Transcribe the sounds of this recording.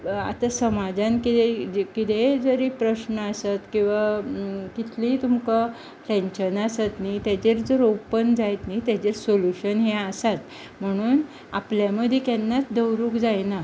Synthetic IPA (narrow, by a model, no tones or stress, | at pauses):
a̰t̪asəmad͡zãnkiekit̪ed͡zəɾipɾəɕnəasat̪kĩw̃ʋakit̪ʰliːt̪umka | lɛ̃ɲt͡ɕənasat̪niːt̪at͡ɕeɾd͡zəɾowpənd͡zajt̪niːt̪jat͡ɕeɾsoluɕənɦeasat̪ | m̤əɽ̃uːn | a̰pljaməd̪ʱjekɛnːat͡sd̪əwɾuːkd͡zajna